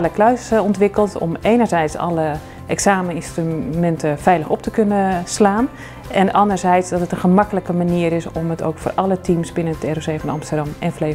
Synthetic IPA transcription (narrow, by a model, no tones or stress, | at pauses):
ləklœɥsɔntʋɪkəlˠtʰɔ̰meːnəɹzɛjtsɑ̰lə | ʔɛksaːmənɪnstrymɛntəfɛjləxɔp̚təkønəslaːn | ɛnəʔɑndərzɛjtsdɔtətənχəmɑkələkəmaniːəɾɪsɔməto̰wkfo̰ːrʔɑlətʰimsbɪnənətʰɛrosejfɔnɑ̰mstərdɑmɛnfle